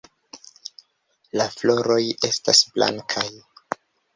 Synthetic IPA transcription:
laflo̞ɾo̞je̞stasblʔa̰ŋkʰaj

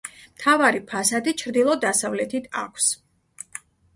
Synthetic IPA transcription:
mt̪ʰavaɾipʰasad̪it͡ʃʰɾd̪ilˠɔd̪asavlɛt̪ʰit̪ʰa̰kʷʰs

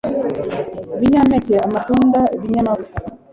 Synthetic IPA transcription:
βiɲamɛtɛamatundaβiɲama

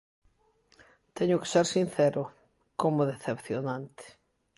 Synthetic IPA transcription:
t̪ɛɲʊke̥seɾsin̟θɛɾʊ | komoðeθepθjonãnt̪ɪ̥

